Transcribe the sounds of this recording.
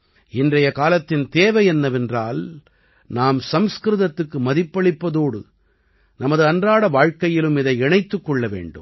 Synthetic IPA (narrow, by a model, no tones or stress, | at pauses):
ɪndrɐjɐkaːlɐt̪ːɪnt̪eːʋɐɪɛnːɐʋɛndraːl | naːmsɐmskɾɯðɐt̪ːɯkːɯmɐðɪpːɐɭɪpːɐðoːɽɯ̰ | nɐmɐðɯɐndraːɽɐʋaːɻkɐjɪlɯmɪðɐɪɪɳɐɪt̪ːɯkːɔɭːɐʋḛːɳɖɯ̰m